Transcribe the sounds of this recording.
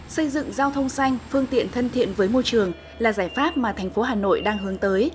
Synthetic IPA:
sə˧jzɨ̰˧˨ŋzaː˧wt̪ʰə˧wŋ͡msa˧jŋ̟fɨ˧əŋt̪ḭ˧˨ənt̪ʰə˧nt̪ʰḭ˧˨ənvəː˨˦jmo˧jt͡ɕɨ˨˩əŋ | laː˨˩zaː˧˩jfaː˦˥p̚maː˨˩t̪ʰɛ˨˩ŋ̟fo˨˦ɦaː˨˩no̰˧˨jɗaː˧ŋɦɨ˨˦əŋt̪əː˨˦j

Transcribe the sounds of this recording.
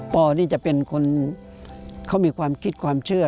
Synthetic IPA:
pɔː˧niː˥˩t͡ɕa˨˩pe˧nkʰo˧n | kʰa˦˥˩miː˧kʰwaː˧mkʰi˦˥t̪̚kʰwaː˧mt͡ɕʰɯ˥˩ɐ

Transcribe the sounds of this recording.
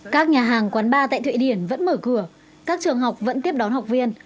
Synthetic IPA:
kaː˦˥k̚ɲaː˨˩ɦaː˨˩ŋkwaː˨˦nɓaː˧t̪a̰ː˧˨jt̪ʰwḛ˧˨ɗi˧˩ənvə̰˧˥nməː˧˩kɨ˧˩ə | kaː˦˥k̚t͡ɕɨ˨˩əŋɦa˨˩wk͡p̚və̰˧˥nt̪i˦˥əp̚ɗɔ˨˦nɦa˨˩wk͡p̚vi˧ən

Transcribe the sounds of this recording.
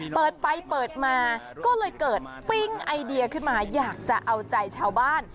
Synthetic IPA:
pɤː˨˩t̪̚pa˧jpɤː˨˩t̪̚maː˧ | kɔː˥˩lɤː˧jkɤː˨˩t̪̚pi˥˩ŋʔa˧jdi˧ɐ˧kʰɯ˥˩nmaː˧jaː˨˩k̚t͡ɕa˨˩ʔa˧wt͡ɕa˧jt͡ɕʰaː˧wbaː˥˩n

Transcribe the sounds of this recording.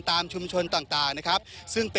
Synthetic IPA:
nt̪aː˧mt͡ɕʰu˧mt͡ɕʰo˧nt̪aː˨˩ŋt̪aː˨˩ŋna˦˥kʰɾa˦˥p̚sɯ˥˩ŋpe˧

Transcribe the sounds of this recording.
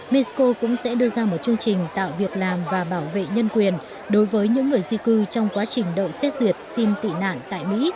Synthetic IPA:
mɛ˧˦sko˧kʊ̰˧˥ŋ͡msɛ̰˧˥ɗɨ˧əzaː˧mo˨˩t̚t͡ɕɨ˧əŋt͡ɕï˨˩ŋ̟t̪a̰ː˧˨wvi˨˩ək̚laː˨˩mvaː˨˩ɓaː˧˩wvḛ˧˨ɲə˧nkwi˨˩ən | ɗo˨˦jvəː˨˦jɲɨ̰˧˥ŋːɨ˨˩əjzi˧kɨ˧t͡ɕɔ˧wŋ͡mkwaː˨˦t͡ɕï˨˩ŋ̟ɗə̰ː˧˨jsɛ˦˥t̚zi˨˩ət̚si˧nt̪ḭ˧˨na̰ː˧˨nt̪a̰ː˧˨jmḭ˧˥

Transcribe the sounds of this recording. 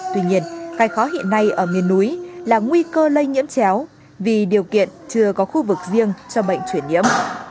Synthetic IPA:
t̪wi˧ɲi˧ənkaː˨˦jxɔ˨˦ɦḭ˧˨ənːa˧jʔəː˧˩ŋi˨˩ənːu˨˦jlaː˨˩ŋwi˧kəː˧lə˧jŋḭ˧˥əmt͡ɕɛ˨˦w | vi˨˩ɗi˨˩əwkḭ˧˨ənt͡ɕɨ˧˩əkɔ˨˦xu˧vɨ˨˩k̚zi˧əŋt͡ɕɔ˧ɓə̰˧˨jŋ̟t͡ɕwi˧˩ənːɲḭ˧˥əm

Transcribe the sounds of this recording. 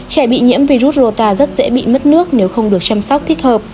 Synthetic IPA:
t͡ɕɛ˧˩ɓḭ˧˨ɲḭ˧˥əmvi˧zu˦˥t̚zo˨˧˩t̪aː˧zə˦˥t̚zɛ̰˧˥ɓḭ˧˨mə˦˥t̚nɨ˦˥ək̚ne˨˦wxə˧wŋ͡mɗɨ˨˩ək̚t͡ɕa˧msɔ˦˥k͡p̚t̪ʰi˦˥ət̚həː˨˩p̚

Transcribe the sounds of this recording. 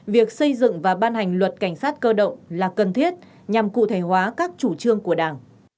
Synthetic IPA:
vi˨˩ək̚sə˧jzɨ̰˧˨ŋvaː˨˩ɓaː˧nha˨˩jŋ̟lwə˨˩t̚ka˧˩jŋ̟saː˦˥t̚kəː˧ɗə̰˧˨wŋ͡mlaː˨˩kə˨˩nt̪ʰi˦˥ət̚ | ɲa˨˩mkṵ˧˨t̪ʰe˧˩hwaː˨˦kaː˦˥k̚t͡ɕu˧˩t͡ɕɨ˧əŋku˧˩əɗaː˧˩ŋ

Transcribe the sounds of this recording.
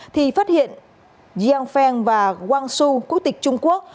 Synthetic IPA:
t̪ʰi˨˩faː˦˥t̚hḭ˧˨ən | zi˧a˧nfɛ˧nvaː˨˩kwaː˧nsu˧ku˧˥t̪ï˨˩k̟̚t͡ɕʊ˧ŋ͡mku˦˥ək̚

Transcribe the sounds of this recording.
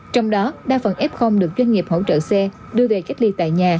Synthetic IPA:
t͡ɕɔ˧wŋ͡mɗɔ˨˦ɗaː˧˥fə˨˩nʔɛ˦˥p̚xə˧wŋ͡mɗɨ˨˩ək̚zwa˧jŋ̟ŋi˨˩əp̚ho̰˧˥t͡ɕə̰ː˧˨sɛ˧ | ɗɨ˧əve˨˩ka˦˥jk̚li˧t̪a̰ː˧˨jɲaː˨˩

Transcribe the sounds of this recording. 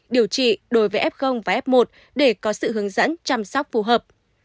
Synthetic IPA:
ɗi˨˧˩əwt͡ɕḭ˧˨ɗo˨˦jvəː˨˦jʔɛ˦˥p̚xə˧wŋ͡mvaː˨˩ʔɛ˦˥p̚mo˨˩t̚ | ɗe˧˩kɔ˨˦sɨ̰˧˨hɦɨ˨˦əŋzə̰˧˥nt͡ɕaː˧msa˦˥wk͡p̚fu˨˧˩ɦəː˨˩p̚

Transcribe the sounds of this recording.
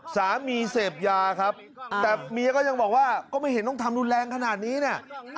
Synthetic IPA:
saː˩˦miː˧seː˨˩p̚jaː˧kʰa˦˥p̚t̪ɛː˨˩miː˧kɔː˥˩ja˧ŋbɔː˨˩k̚waː˥˩kɔː˥˩ma˥˩jhɦe˦nt̪ɔ˥˩ŋt̪ʰa˧mdu˧nlɛː˧ŋkʰa˧naː˨˩t̪̚niː˦˥ni˦˥˩ɐ

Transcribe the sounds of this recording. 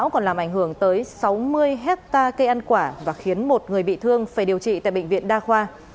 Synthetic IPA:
wkɔ˨˩nlaː˨˩mʔa˧˩jŋ̟ɦɨ˧˩əŋt̪əː˨˦jsa˨˦wmɨ˧əjɦɛ˦˥t̚t̪aː˧kə˧jʔa˧nkwaː˧˩vaː˨˩xi˨˦ənmo˨˩t̚ŋɨ˨˩əjɓḭ˧˨t̪ʰɨ˧əŋfaː˧˩jɗi˨˩əwt͡ɕḭ˧˨t̪a̰ː˧˨jɓ̰ŋ̟vḭ˧˨ənɗaː˧xwaː˧

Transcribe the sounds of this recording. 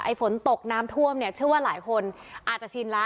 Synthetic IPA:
ʔa˧jfo˩˦nt̪o˨˩k̚naː˦˥mt̪ʰu˥˩əmni˥˩ət͡ɕʰɯ˥˩əwaː˥˩laː˩˦jkʰo˧nʔaː˨˩t̪̚t͡ɕa˨˩t͡ɕʰi˧nla˦˥

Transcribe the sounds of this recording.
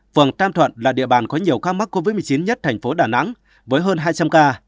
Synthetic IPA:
fɨ˨˩əŋt̪aː˧mt̪ʰwə̰˧˨nlaː˨˩ɗḭ˧əɓaː˨˩nkɔ˨˦ɲi˨˩əwkaː˧ma˦˥k̚kːo˧vi˦˥mɨ˨˩əjt͡ɕi˨˦nɲə˦˥t̚t̪ʰɛ˨˩ŋ̟fo˨˦ɗaː˧˩na̰˧˥ŋ | vəː˨˦jɦəː˧nɦaː˧jt͡ɕa˧mkaː˧

